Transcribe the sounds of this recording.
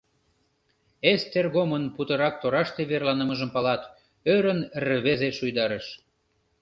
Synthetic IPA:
est̪erɣomənput̪ə̆ɾɑk̚t̪oɾɑʃt̪eβerlɑnəməʒəmpɑlɑt̪ | øɾənrəβezeʃujd̪ɑɾəʃ

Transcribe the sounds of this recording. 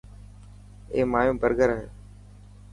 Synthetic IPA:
eːmaːjõːbəɾɡəɾəɦḛː

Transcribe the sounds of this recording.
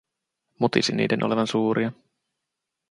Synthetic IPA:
mot̪isinːḭːdenʔoleʋɑnsuːɾʔiɑ

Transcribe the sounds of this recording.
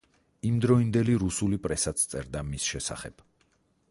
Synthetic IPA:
imd̪ɾɔind̪ɛliɾusulipʼɾɛsat̪sʰt̪sʼɛɾd̪amisʃɛsa̰χɛ̰b̥

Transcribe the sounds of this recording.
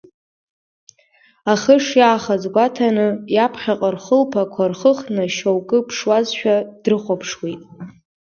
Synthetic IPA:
aχəʂjaːχazɡʷatʰanɨjapʰχʲaqʼarχəlpʰakʷʰarχəχnɨʃowkʼɨpʰʂwazʃᶣad̥rɨχʷopʰʂwitʼ

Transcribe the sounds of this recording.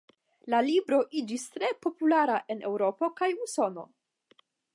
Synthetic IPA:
lalibɾo̞ʔid͡ʒist̪ɾe̞po̞pulaɾaʔe̞ne̞wɾo̞po̞kajuso̞no̞̰

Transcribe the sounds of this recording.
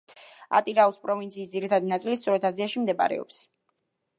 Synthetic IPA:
a̰t̪ʼiɾauspʼɾɔvint̪sʰiːsd̪ziɾit̪ʰad̪inat̪sʼilist̪sʼɔɾɛt̪ʰaziaʃimd̪ɛbʼa̰ɾɛ̰ɔ̰ps

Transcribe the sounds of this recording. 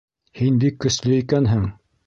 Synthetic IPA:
hinb̪ikːɵ̆slɘikænɦɘŋ

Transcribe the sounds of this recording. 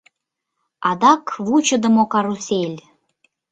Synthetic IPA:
ɑd̪ɑkβut͡ɕə̆d̪ə̆mokɑɾuselʲ

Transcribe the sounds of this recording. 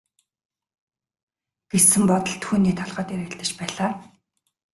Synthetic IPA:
ɡ̥esɘ̆mpɔt̪ɞ̆ɮt̪ʰuːniːt̪ʰɔɮʁœːt̪eɾɘ̆ːɬt̪ɘ̆t͡ɕpæːɮaː

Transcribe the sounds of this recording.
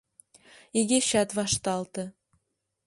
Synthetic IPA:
iɡʲeɕɑt̪βɑʃt̪ɑlˠt̪ɤ̆

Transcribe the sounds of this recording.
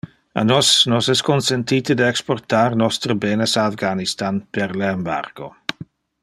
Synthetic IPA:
a̰nɔsnɔsɛskʰɔnsɛntʰitʰədəɛkspɔrtʰarnɔstɾəbɛːnəsaafɡanistanpʰɛɾlɛmba̰rɡ̥o

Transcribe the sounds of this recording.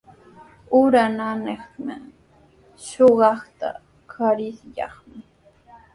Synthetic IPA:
ʊɾananeχmɪ | ʃoɢɑχt̪a̰ | kʰaɾɪsʎɑ̰χmɪ

